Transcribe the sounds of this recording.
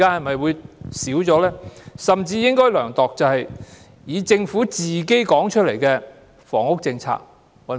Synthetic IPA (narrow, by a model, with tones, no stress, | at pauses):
kaː˥hɐ˨jmɐ˨jwuː˨˧jsiː˨˥wt͡sɔː˨˧˥lɛː˥sɐ˨mt͡siː˧jɪ˥ŋkɔː˥jlœː˨˩ŋt̪ɔː˨k̚t͡sɐ˨whɐ˨j | jiː˨˧t͡sɪ˧ŋfuː˨˥t͡siː˨ke˥jkɔː˨˥ŋt͡ʃʰɵ˥t̚le˨˩jkɛː˧ | fɔ̰ː˨˩ŋʊ˥k̚t͡sɪ˧ŋt͡sʰa̰ː˧k̚ | wɐ˨˩